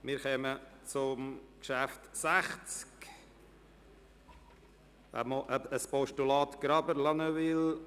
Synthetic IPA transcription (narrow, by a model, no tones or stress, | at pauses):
mɪːɾχɛmət͡sʊmkʃæftsæχt͡sk | æ̰moʔəspɔʃtulɑːt̪ɡ̥ɾɑbəɾlɑnøʋɪl